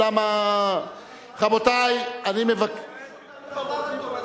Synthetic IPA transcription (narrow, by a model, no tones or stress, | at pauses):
ama | χabot̪ajanimevak